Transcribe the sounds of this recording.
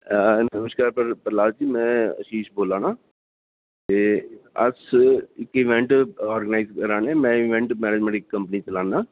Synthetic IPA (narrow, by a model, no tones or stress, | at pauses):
nəməʃkaːɾpəɾpəɾlaːld͡ʒiːmɛ̃ːə̰ʃiːʃboːlãːnaː | eːə̰sɪkɪʋɛ̃ɳʈɔːɾɡənaːɪzkəɾaːnɛːmɛ̃ːɪʋɛ̃ɳʈmɛːɾeːd͡ʒmɛ̃ʈɪkːəmpənit͡ʃəlãːnaː